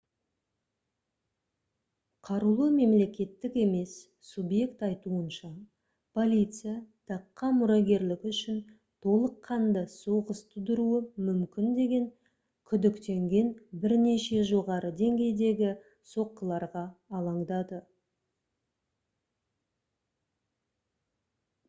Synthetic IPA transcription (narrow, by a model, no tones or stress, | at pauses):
qʰɑɾulˠəme̞mle̞kʲe̞t̪ːɪke̞me̞sː | ubje̞kt̪ɑjt̪uənʃɑ | pʰo̞lʲijt̪sɨjat̪ʰɑqːɑmʊɾɑɡʲe̞ɾlɪkʲʏʃɪn | t̪ʰo̞lˠəqʰːɑnd̪əso̞ʁəst̪ʰʊd̪əɾuəmʏmkʲɪnd̪e̞ɡʲe̞ŋ | kʲʰʏd̪ɪkt̪e̞ŋɡʲe̞nbɪɾne̞ʃe̞ʒo̞ʁɑɾʔəd̪e̞ŋɡʲe̞jd̪e̞ɡʲɪ | so̞qːəlˠɑɾʁɑːlˠɑɴd̪ɑd̪ə